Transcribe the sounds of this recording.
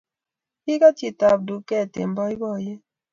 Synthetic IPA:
i˦ka˦t͡ʃi˨ta˨b̚du˨kɛ˦˨tḛ˨mbɔ˦i˦bɔ˦˨jɛ˦

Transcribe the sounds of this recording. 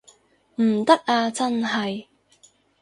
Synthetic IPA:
m̩˨˩t̪ɐ˥k̚ʔaː˧t͡sɐ˥nɦɐ˨j

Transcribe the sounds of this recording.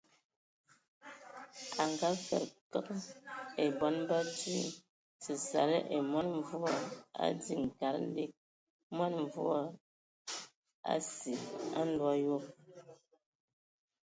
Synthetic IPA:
a˨ŋɡa˦fɛ̰˨ɾkə˦ke˨bɔ˨˦nba˦ti˦ | si˨sa̰˨ɾə˦ʔe˨mwa˦nɱ˦vu˦a˦a̰˦di˦˨ŋ̩˨ka˨˦ɾn̩˦de˦k̚ | mwa˦nɱ˨vu˦a˦˨ | a̰˦si˨a̰˦n̩˦lwa˦jo˦

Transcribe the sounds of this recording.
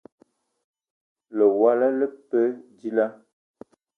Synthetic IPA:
lə˨wa˦la˦lə˦pə˦di˦la˦

